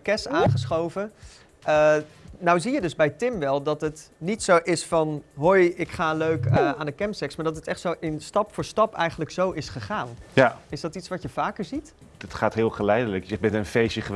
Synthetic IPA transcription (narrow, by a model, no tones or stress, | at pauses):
kɛsaːnχəsχowvə | ənawzijədɵzbɛjtɪmʋɛlˠdɑtətnitsowʔɪsfɑnɦojɪkχaːløɥkəʔaːndəkɛmpsɛksmaːɹdɑtətɛχtsowʔɪnstɑpfʊːɹstɑpɛ̰jχənləksowʔɪsχəχaːnjaɪsdɑtitsʋɑcjəv̥aːkəɹzit | dɑtχaːtɦɪːlˠχəlɛjdələkbɛntənfejsəχə